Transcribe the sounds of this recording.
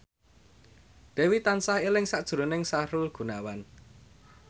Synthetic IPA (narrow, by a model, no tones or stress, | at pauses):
d̪̥ɛ̤wit̪ansaelɪŋsaʔd̥ʒ̥ɾonɪŋsaɾʊlɡ̥ṳnawan